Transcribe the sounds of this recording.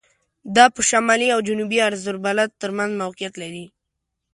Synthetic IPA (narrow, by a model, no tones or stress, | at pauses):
d̪ɑpəʃamɑliawd͡ʒʊnubiaɾzʊɾbalat̪̚ːəɾmanzmawqɪjat̪laɾi